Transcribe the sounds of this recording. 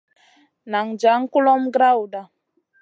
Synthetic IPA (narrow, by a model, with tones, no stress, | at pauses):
na˨ŋ̩˨d͡ʒa˨˦ŋ̩˦ku˦lɔ˦m̩˦ɡɾa˦u˨da˨